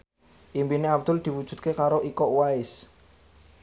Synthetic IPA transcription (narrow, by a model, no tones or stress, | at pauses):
ʔimpineab̚d̪̥ʊld̪̥i̤wudʒ̥ṳt̪̚kekaɾoʔikɔʔwaɪs